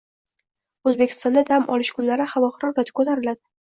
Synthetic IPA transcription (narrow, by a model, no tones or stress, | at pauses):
ɵzbekʲʰɪ̥st̪ɒnd̪ad̪amʔɒ̰lɪʃkʰʊnlaɾɪhavɒχɨɾɒɾɾat̪ʰɪ̥kʰot̪ʰaɾɪlad̪ɪ